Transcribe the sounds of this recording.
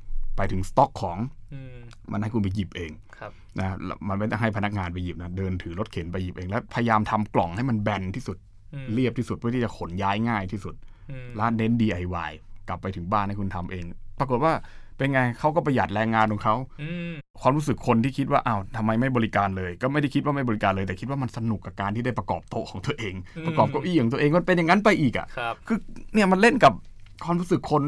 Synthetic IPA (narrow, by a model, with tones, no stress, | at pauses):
pa˧jt̪ʰɯ˩˦ŋst̪ɔ˦˥kʰːɔː˩˦ŋ | ma˧nha˥˩ku˧npa˧ji˨˩p̚ʔeː˧ŋ | na˦˥l̰ma˧nma˥˩t̪ɔ˥˩ɦa˥˩jpʰa˧na˦˥k̚ŋaː˧np̬a˧ji˨˩p̚na˦˥dɤː˧nt̪ʰɯː˩˦lo˦˥t̪̚kʰe˩˦npa˧ji˨˩p̚ʔeː˧ŋlɛː˦˥wpʰa˧ja˧jaː˧mt̪ʰa˧mklɔ˨˩ŋha˥˩jma˧nbɛ˧nt̪ʰiː˥˩su˨˩t̪̚ | li˥˩əp̚t̪ʰiː˥˩u˨t̪̚ʰɯ˥˩t̪ʰiː˥˩t͡ɕa˨˩kʰo˨˩˦njaː˦˥jŋaː˥˩jt̪ʰiː˥˩su˨˩t̪̚ | la˦˥ne˦˥ndiː˧ʔa˧˩jwaː˧˩jkla˨˩pːa˧jt̪ʰɯ˩˦ŋbaː˥˩nha˥˩jkʰu˧nt̪ʰa˧mʔeː˧ŋpɾa˧ko˨˩t̪̚waː˥˩ | pe˧nŋaː˧jkʰa˦˥wkɔ˥˩pa˧jaː˨˩t̪̚lɛː˧ŋːaː˧nkʰɔ˨˩˦ŋkʰa˦˥˩w | kwaː˧mɾuː˦˥sɯ˨˩kʰːo˧nt̪ʰiː˥˩kʰi˦˥t̪̚waː˥˩ʔa˧˩wt̪ʰa˧mːa˧jma˥˩jbɔː˧li˦˥kaː˧nlɤː˧jkɔː˥˩ma˥˩da˥˩jkʰi˦t̪̚wa˥˩ma˥˩bɔː˧li˦kaː˧nlɤː˧jt̪ɛː˨˩kʰi˦t̪̚waː˥˩ma˧nsa˧nu˨˩kːa˨˩kaː˧nt̪ʰiː˥˩da˥˩jpɾa˧kɔ̰ː˨˩p̚t̪o˧˥kʰɔː˩˦ŋt̪u˧əʔeː˧ŋpɾa˧kɔː˨˩p̚ka˧˩wʔiː˥˩ɔː˨˩˦t̪u˧eː˧ŋkma˧˥˩pe˧nja˨˩ŋːa˦˥npa˧jʔiː˨˩k̚ʔa̰˨˩ʔkʰɯː˧ni˥˩əma˧nle˥˩nka˨˩p̚kʰwaː˧mɾu˦˥sɯ˨˩kʰːo˧n